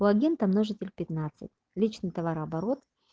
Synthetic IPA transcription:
uɐɡʲent̪ɐmnoʐɨtʲɪlʲpʲɪt̪nat̪sɨ̰tʲ | lʲit͡ɕnɨjt̪ɐvaɾɐbɐɾot̪

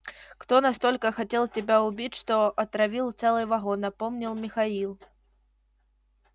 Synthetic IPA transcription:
kt̪ɔnɐst̪ɔlʲkəxɐtʲelˠtʲɪbʲaʊbʲitʲʂt̪ɔʔɐt̪ɾɐvʲilˠt̪sɛlˠɨjvɐɣɔnːɐpɔmnʲilˠmʲixailˠ

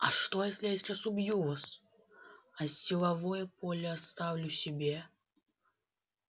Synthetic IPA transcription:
ɐʂt̪ɔjasʲlʲɛdʲit͡ʃʲɛsubjuvɐs | ɐsːʲilˠavɔjɛpɔlʲɛast̪awlʲusʲɛbʲɛ

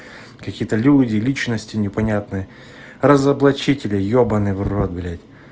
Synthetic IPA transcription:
kɐkʲijət̪əlʲudʲɪlʲit͡ɕnəsʲtʲɪnʲɪpɐnʲat̪nɨjə | rəzəblˠɐt͡ɕitʲɪlʲɪjobənɨvrrod̪bʲlʲetʲ

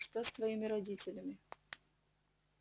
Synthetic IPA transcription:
ʂt̪ost̪vɐimʲɪɾɐdʲitʲɪlʲɪmʲɪ

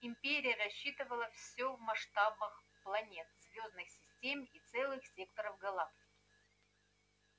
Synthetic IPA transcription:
ɪmʲpʲeɾʲɪjəɾɐɕːit̪ɨvəlˠəfsʲovmɐʂt̪abəx | plˠɐnʲe̞t̪̚zvʲoznɨxsʲɪsʲtʲemit̪sɛlˠɨxsʲe̞kt̪əɾəvɡɐlˠaptʲɪ̥kʲɪ

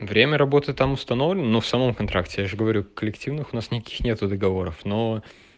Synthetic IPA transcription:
vɾʲemʲəɾɐbo̞t̪ɨt̪amʊst̪ɐno̞vlʲɪnənufsɐmo̞mkɐnt̪ɾʔaktʲɪjaʐɨɡəvɐɾʲukːəlʲɪktʲivnɨxʊnasnʲɪkɐ̥kʲi̥xnʲe̞t̪ʊd̪əɡɐvo̞ɾəfno

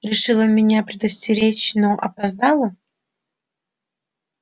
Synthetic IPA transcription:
ɾʲɪʂɨlˠəmʲɪnʲapɾʲɪd̪əfsʲtʲɪɾʲet͡ɕʲnoʔɐpɐzd̪alˠə

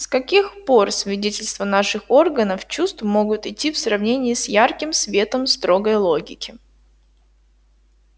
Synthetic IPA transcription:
skɐkʲixpo̞rsvʲɪdʲetʲɪlʲst̪vənaʂɨxo̞rɡənəft͡ɕust̪vmoɡʊt̪ɪtʲːifsrɐvnʲenʲɪːɪsjarkʲɪmsvʲe̞t̪əmst̪ɾo̞ɡəjlˠo̞ɡʲɪkʲɪ

